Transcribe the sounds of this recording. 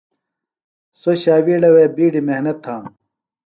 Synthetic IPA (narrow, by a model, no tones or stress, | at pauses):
soɕaːwiːɖɐweːbiːɖimehnɐt̪ʰːãː